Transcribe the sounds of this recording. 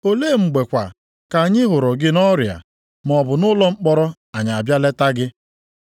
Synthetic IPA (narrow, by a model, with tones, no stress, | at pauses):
o˦leː˦˨ŋ͡m̩˨ɡ͡be˨kʷa̰˨ | ka˨ɲɪ˦ɦʊ˨ɾʊ˨ɡɪ˦nɔ˦ɾja̰˨ | m˨ɔ˨bʊ˨nʊ˦lɔ˦ŋ͡m̩˦k͡pɔ˦ɾɔ˦ | a˨ɲa˨a˨bja˦le˦ta˦ɡɪ˦